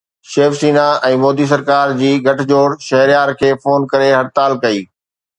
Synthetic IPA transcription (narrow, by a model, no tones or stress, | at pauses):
ʃeːfsiːnaɛ̃ːmɔːd̪is̬ɐɾkaːɾd͡ʑiːɡʱɐʈʰd͡ʑoːɽʃɐɦɾijaːɾkʰeːfoːnkɐɾeɦɐɽt̪aːlkɐiː